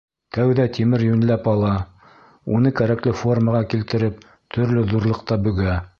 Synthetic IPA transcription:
t̪æwðæt̪ʲimɘɾjɵ̆nlæpɑlˠɑ | unɤkæɾæklɘfo̞rmɑʁɑkilt̪ɘ̆ɾɘp̚ | t̪ʰɵ̆ɾlɵðuɾlˠɤqt̪ɑbɵ̆ɡæ

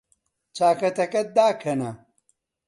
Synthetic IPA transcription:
t͡ɕaːkɐt̪ɐkɐt̪̚d̪aːkʰɐna

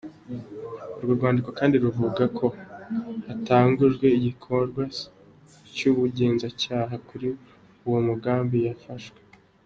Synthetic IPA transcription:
uɾɡoɾɡwaːndiko̞kaːndiɾuvuɡakʰo̞ | hataːŋɡuʒɡwe̞iɟikʰo̞ɾɡwa | cuβuɟe̞ːnzacaːɦakuɾi | uwomuɡaːmbijafaʃwe

